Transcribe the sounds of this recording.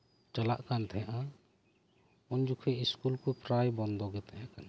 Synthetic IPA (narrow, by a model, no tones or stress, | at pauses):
t͡ʃala̰ʔkant̪ʰɛjaʔa | ɔnd͡ʒukʰɛiskulkupɾajbɔnd̪ɔɡɛt̪ʰɛjaʔkan